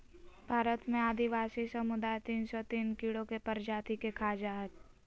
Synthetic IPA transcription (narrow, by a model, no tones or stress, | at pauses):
bʱaːɾət̪mẽaːd̪iʋaːsisɐmʊd̪aːjt̪iːnsɔt̪iːnkiɭokepəɾd͡ʒaːt̪ikekʰaːd͡ʒaɦɛt̪